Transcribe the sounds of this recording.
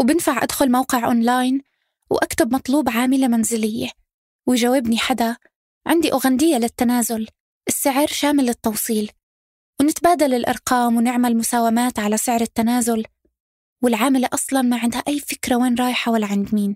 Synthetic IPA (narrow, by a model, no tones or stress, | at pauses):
wbɪnfaʕʔa̰d̪xʊlmawqɪʕʔo̰ːnlaːjn | wʔakt̪ʊbmɑt̪ˤluːbʕaːmɪlamanzɪlɪjːe | wɪjʒawːɪbniħad̪a | ʕɪnd̪iʔʊːɣand̪ɪjːalɪt̪ːanaːzʊl | ʔɪsːɪʕɾʃaːmɪlːɪt̪ːɑwsˤiːl | wnɪt̪baːd̪alɪlʔɑ̰ɾˤqɑːmwnɪʕmalmʊsaːwamaːt̪ʕalasɪʕɾɪt̪ːanaːzʊl | wɪlʕaːmɪleʔɑsˤlɑnmaʕɪnd̪haʔajːfɪkɾaweːnɾˤɑːjɪħawalːaʕɪnd̪miːn